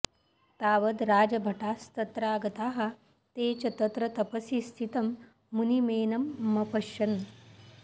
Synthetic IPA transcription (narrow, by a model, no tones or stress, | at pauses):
t̪aːʋəd̪ɾaːd͡ʑɐbʱɐʈaːst̪ɐt̪ɾaːɡɐt̪aːɦa | t̪eːt͡ɕɐt̪ət̪ɾɐt̪ɐpəsist̪ʰit̪ɐmː | unimeːnɐmːɐpɐʃɐn